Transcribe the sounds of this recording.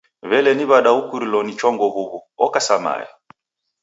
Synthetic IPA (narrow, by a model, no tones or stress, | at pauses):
βɛlɛniβaɗaukuɾilɔnit͡ʃɔŋɡɔβuβuɔkasama̰jɛ̰